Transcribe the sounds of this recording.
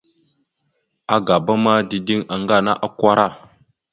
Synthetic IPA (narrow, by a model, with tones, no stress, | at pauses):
a˦ɡa˨ba˦ma˦di˨di˦ŋa˨ŋɡa˦˨na˦ʔa˦kʷa˦ɾa˦˨